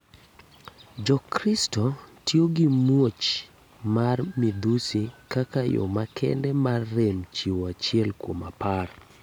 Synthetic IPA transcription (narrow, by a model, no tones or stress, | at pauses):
d͡ʒɔkɾɪstɔtjoɡimwot͡ʃ | marmid̪usikakajo̰makʰɛ̰ndɛmarːemt͡ʃiwoat͡ʃɪɛlkwomapar